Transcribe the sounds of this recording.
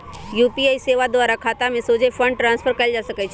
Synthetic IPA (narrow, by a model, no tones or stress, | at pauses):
juːpiaːiseːʋad̪ʊaːɾakʰaːt̪amẽsoːd͡ʒefʰə̃ɳɖ̚ʈɾãːnspʰəɾkɐld͡ʒasəkət͡ʃʰ